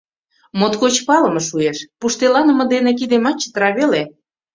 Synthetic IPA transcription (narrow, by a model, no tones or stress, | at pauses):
mot̪kot͡ɕpɑlə̆mɤ̆ʃueʃpuʃt̪elɑnə̆mɤ̆d̪enĕk̬id̪emɑt͡ɕːə̥t̪əɾɑβele